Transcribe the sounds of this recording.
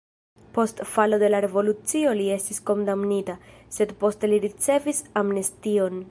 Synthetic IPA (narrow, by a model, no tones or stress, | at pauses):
po̞stfalo̞de̞laɾe̞vo̞lut͡sio̞lie̞stisko̞ndamnita | se̞dpo̞ste̞liɾit͡se̞visamnestio̞n